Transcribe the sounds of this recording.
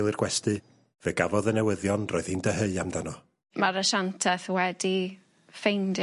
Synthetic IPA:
lˠirɡ̥wɛstɨ | v̥eɡavɔðənɛwɪðjɔnroːɨð̥hiːndəɦəɨamdanɔ | maɾəʃantʰɛθwɛdi | fejnd

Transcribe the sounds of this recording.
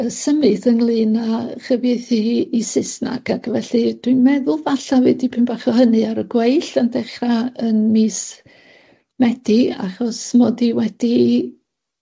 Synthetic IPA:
əsəmɨθənlˠɨːnaχəvjeθiːsɪsna̰ɡaɡʰvɛɬɨd̥winmɛðʊlˠvaɬawɛdipʰɪmb̥aχɔhənɨaɾəɡwejɬəndɛχraənmiːs | mɛd̥ia̰χɔsmɔdiwɛd̥i

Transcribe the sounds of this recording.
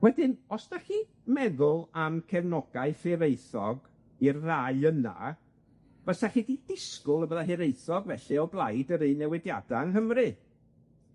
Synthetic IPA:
wɛdɪnɔsd̥axi | mɛðʊlˠamkʰɛvnɔɡ̥aɨfɨɾejθɔɡ | irːaɨəna̰ | b̥əsaxidid̥ɪskʊlˠəbəðaɦɪɾejθɔɡvɛɬiɔblˠajdəɾinɛwɪdja̰daənɦəmrɨ

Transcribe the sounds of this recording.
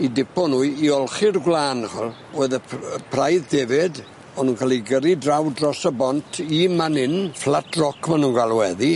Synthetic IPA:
idɪpʰɔnuːɨiɔlˠχɪrɡwlaːnχɔlˠ | oːðəəpʰrajðdɛvɪd | ɔnuːnkʰalˠiɡəɾidrawdrɔsəbɔntʰimanɪnflatʰrɔkʰmanunɡalˠwɛði

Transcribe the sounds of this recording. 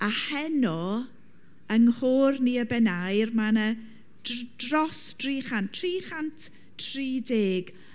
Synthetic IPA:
ahɛnɔ | əŋhoːrniəbɛnajrmanə | d̥rɔsd̥riːχantʰriːχantʰ | tʰriːdeːɡ̥

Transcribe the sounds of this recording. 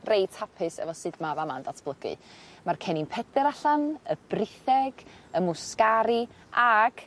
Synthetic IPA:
rejtʰapʰɨsɛ̰vɔsɨːdmavamandatʰb̥lˠəɡɨ̰markʰɛninpʰɛdɛɾaɬanəb̥rɪθɛɡ̥əmʊskaɾi | aɡ̥

